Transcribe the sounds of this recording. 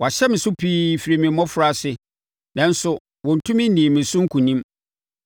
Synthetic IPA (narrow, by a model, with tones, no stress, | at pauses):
wɔ˨a˨ɕɛ˦mɪ̃˨sʊ˦pʰiː˦fi˨ɾi˨mɪ̃˨˦ɔ̃˦fʊ˨ɾa˨sɪ˦ | nã˦n̩˦sʊ˨ | wɔ̃˨n̩˨tʰʊ̃˦mɪ̃˦n̩˦nĩ˨mɪ̃˨sʊ˦ŋ̩˦kʰũ˨nĩ˦m